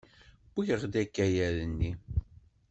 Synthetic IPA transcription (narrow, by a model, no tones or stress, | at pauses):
b̥içəʁd̪ækːæjæɾənːi